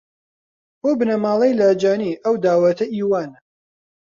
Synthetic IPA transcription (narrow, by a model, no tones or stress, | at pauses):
boːbɨnɐmaːlˠejlaːd͡ʒaːniːʔɐwd̪aːwɐt̪ʰɐʔiːwaːn